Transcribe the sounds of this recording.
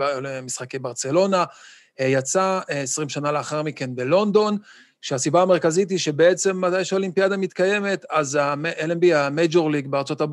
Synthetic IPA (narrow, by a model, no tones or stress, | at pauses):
misχakejbaʁt͡se̞lo̞na | jat͡saesʁimʃanaleaχaʁmike̞nbelo̞nd̪o̞n | ʃeasibaːmeʁkazit̪̬iʃe̞be̞et͡se̞mːat̪ajʃeo̞limpiad̪amit̪kaje̞me̞t̪azaʔelenbiamed͡ʒo̞ʁliɡbeaʁt͡so̞tab